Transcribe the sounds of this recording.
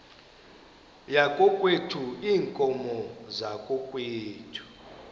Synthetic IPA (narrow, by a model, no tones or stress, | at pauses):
jakʼɔkʼwetʰuiːŋkʼɔmɔzakʼokʼweːtʰu̥